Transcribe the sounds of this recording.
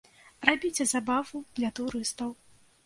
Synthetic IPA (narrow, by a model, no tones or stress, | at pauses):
rabʲit͡sʲɛzabavud̪̥lʲɐt̪uɾɨst̪ɐw